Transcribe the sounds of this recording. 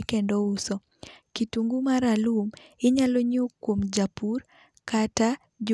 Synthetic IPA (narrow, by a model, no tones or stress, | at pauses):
kendousɔ | kituŋɡumaɾalumɪɲaloɲokːwomd͡ʒapur | kata | d͡ʒ